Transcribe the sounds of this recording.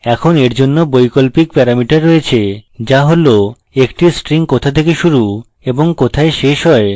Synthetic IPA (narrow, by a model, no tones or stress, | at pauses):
ɛkʰoneɾd͡ʑonːobojkolpik̚pɛɾamiʈaɾːoet͡ɕʰed͡ʑaɦolo | ekʈisʈɾiŋkot̪ʰat̪ʰekeʃuɾu | eboŋkot̪ʰaeʃeʃɦɔe